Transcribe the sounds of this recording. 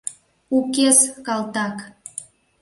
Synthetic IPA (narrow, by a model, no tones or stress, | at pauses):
ukeskɑlt̪ɑk